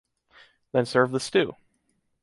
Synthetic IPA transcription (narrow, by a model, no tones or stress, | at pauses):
ðɨ̃nsɜ˞vðəstʉ